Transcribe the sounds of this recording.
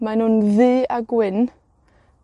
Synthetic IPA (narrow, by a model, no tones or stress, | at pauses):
manʊnðiːaɡwɪn